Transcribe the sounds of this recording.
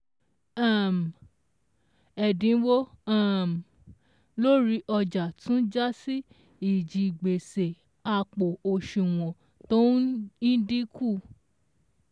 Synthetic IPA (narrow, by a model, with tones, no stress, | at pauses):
a˦˨m˨ | ɛ˨dĩ˨˧˦wo˦a˦˨m˨ | lo˦ɾi˨˦ʔɔ˧d͡ʒa˨tũ˦d͡ʒa˦si˦ | i˦˨d͡ʒi˨ɡ͡be˨se˨ | a˧k͡po˨o˧ʃũ˨w̃ɔ̃˨ | to˦ĩ˦di˦ku˦˨